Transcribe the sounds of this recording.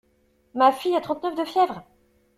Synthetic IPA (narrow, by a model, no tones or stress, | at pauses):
mafijat̪χɑ̃t̪nœfd̪əfjɛvʁ